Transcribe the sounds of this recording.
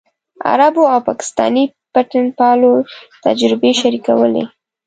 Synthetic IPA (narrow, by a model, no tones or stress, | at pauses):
a̰ɾaboawpɑkɪ̥st̪ɑ̰ni | paʈɪnpɑlot̪a̰d͡ʒɾɪbeʃaɾikawə̰lḛ